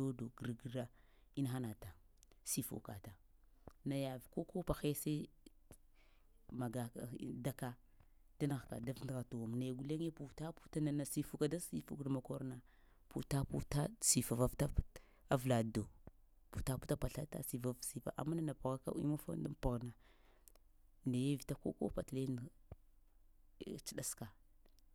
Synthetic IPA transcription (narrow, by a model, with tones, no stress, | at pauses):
o˦do˨ɡə˨ɾɡa˦ | i˦na˦xa˦na˨ta˨ | si˦˨fṵ˨ka̰˨ta˨ | na˨ja˨vko˦ko˦pa˨xe˦sa˦i˦ | ma˨ɡa˨da˦ka˦ | da˦na˨ɣka̰˨da˦vndɣa˨to˨wa˨m˨na˨ɡu˨le˦ŋ˦e˦pu˨ta˦pu̥˦ta˦na˨na˨si˨fu˦ka˨da˦si˦fṵ˦kda˨ma˨ko˦ɾna˨ | pu˨ta˦pu˦ta˦˨si˨fa˨va˦vta˦p | a˦vla˨do˨ | pu˨ta˦pu̥˦ta˦pa˨ɬa˦ta̰˦si˨va˨vsi˨fa̰˨ʔa̰˨ma˦na˦na˨pa˨ɣa˦ka̰˦ḭ˦ma˦fa̰˦n˦da̰˦m˦pa˨ɣna˨ | na˨je˦vi˨ta˦ko̰˦ko̰˦pa˨tle˦n˨ | t͡ʃi˦ɗa˦ska˨